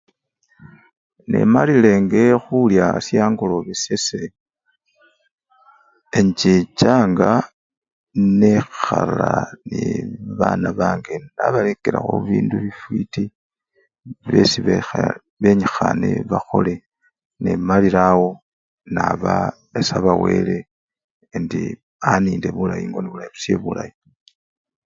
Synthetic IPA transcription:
nḛmalile̞ŋɡe̞xuljasjaːŋɡulo̞βisese | eɲt͡ʃit͡ʃaŋɡa | nexaaniβanaβaːŋɡenaβalekeɾa̰xoβiːnduβifwiti | βesiβe | βe̞ɲixaneβaxo̞le̞ | nemaliɾawo | naβa | esaβawe̞le | ndi | aniːnde̞βulajiŋɡo̞niβulajiβusje̞βulaji

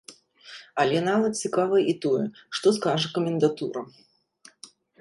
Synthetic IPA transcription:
alʲɛnavɐt̪̚t͡sʲikavɐjʔit̪ɔjɛʂt̪ɔskaʐɐkɐmʲɪnd̪at̪uɾɐ

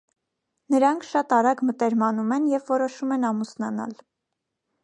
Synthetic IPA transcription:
nəɾɑŋkʰʃɑt̪ɑɾɑɡmət̪ɛɾmɑnumɛnjɛvːɔɾɔʃumɛnɑmusnɑnɑ̰l

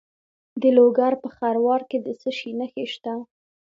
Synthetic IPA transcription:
d̪əloɡaɾpəxaɾwɑɾked̪əsəʃinəxeʃt̪a

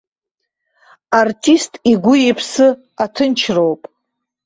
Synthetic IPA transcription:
artʰʼistʼiɡʷʊipʰsɨ | atʰɨnt͡ʃʰrowpʼ

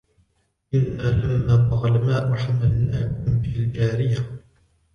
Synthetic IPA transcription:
ʔɪnːaːlamːaːbɑɣlamaːʔʊħamalnaːkʊmbɪld͡ʒaːɾɪja

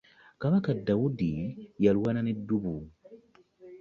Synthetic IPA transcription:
kaβakadawudijalwwananedːubu

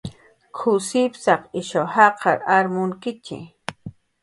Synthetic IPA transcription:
kʰʊsɪpsɑqɪʃahɑqʰɑɾaɾmʊŋkɪt͡ʃɪ̰

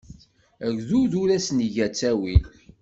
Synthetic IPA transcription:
æɡðuðuɾæsniʝæt͡sːæwil

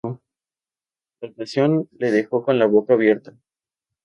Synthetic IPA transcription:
lapasjo̞nle̞ðe̞xo̞ko̞nlaβo̞kaːβje̞ɾt̪a

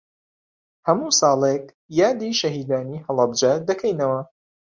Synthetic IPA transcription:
hɐmusɑːlek | jaːd̪iːʃɐɦiːd̪aːniːhɐlˠɐb̚d͡ʒɐd̪ɐkʰɛjnɐwɐ

